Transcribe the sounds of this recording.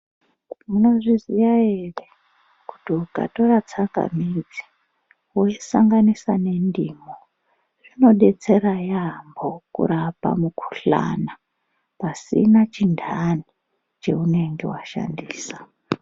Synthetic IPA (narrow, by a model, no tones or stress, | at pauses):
muno̞ʐizijaere | ku̥tiuka̰to̞rat͡saŋɡa̰mid͡zi̥ | woisaŋɡanisane̞ndiːmo | ʐ̥ino̞ɗe̞t͡se̞ɾajambo̞kṵɾapa̰mukʰu̥ɬa̰na | pasḭnat͡ʃindʱani | t͡ʃe̞une̞ŋɡe̞̰waʃa̰ndiːsḁ